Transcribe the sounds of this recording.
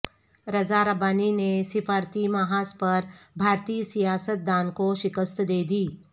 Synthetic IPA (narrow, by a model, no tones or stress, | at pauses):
ɾɐzaɾɐbaːninesɪfaːɾt̪imaɦaːspɐɾbʱaːɾt̪iːsijaːsət̪̚d̪aːnkoʃɪkəst̪d̪eːd̪iː